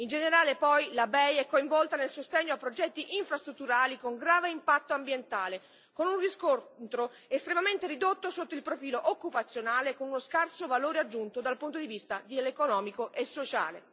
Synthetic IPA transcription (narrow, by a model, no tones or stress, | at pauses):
ind͡ʒeneɾaːlepɔjlabɛjɛkːoiɱvɔlt̪anelsost̪eɲːoapːɾod͡ʒɛt̪ːiʔiɱfɾast̪ɾut̪ːuɾaːlikoŋɡɾaːveimpat̪ːoambjent̪aːle | konunriskont̪ɾo | est̪ɾemament̪eɾid̪ot̪ːosot̪ːoilpɾofiːloʔokːupat̪sːjonaːlekonunoskart̪sovaloːɾead͡ʒːunt̪od̪alpunt̪̬od̪ivist̪ad̪ilekonɔːmikoʔesːot͡ʃa̰ːlḛ